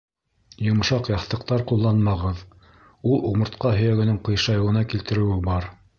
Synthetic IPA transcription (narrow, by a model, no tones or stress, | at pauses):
jŏm̆ʃɑqjɑθt̪ɤ̆qt̪ɑɾqulˠːɑnmɑʁɤð | ulˠuʁmɤ̆ɾt̪qɑɦɵ̆jæɡɘ̆nɘŋqɤ̆jʃɑjɤ̆wɤ̆nɑkilt̪ɘ̆ɾɘ̆wɘbɑɾ